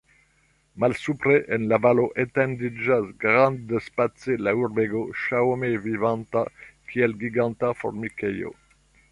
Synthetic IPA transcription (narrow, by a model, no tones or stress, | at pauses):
malsupɾeʔenlavaloʔet̪end̪id͡ʒasɡɾand̪d̪espat͡selauɾbeɡoʃawmevivant̪akʰiɛlɡiɡant̪afo̰ɾmikejo̰